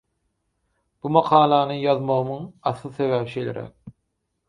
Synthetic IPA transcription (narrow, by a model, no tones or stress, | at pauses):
b̥umɑqʰɑːlˠɑnɯjɑðmoʁɯmɯŋɑsˠɯsevæpʃejlʲḛɾʔæ̰k̚